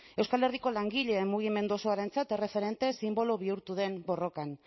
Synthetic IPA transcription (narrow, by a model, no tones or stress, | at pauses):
e̞wskale̞riko̞laŋɡiʎe̞ːmːuɣ̞ime̞nd̪uosoaɾe̞nt͡sat̪e̞re̞fe̞ɾe̞nt̪e̞simbo̞loβiuɾt̪uðe̞mbo̞ro̞kan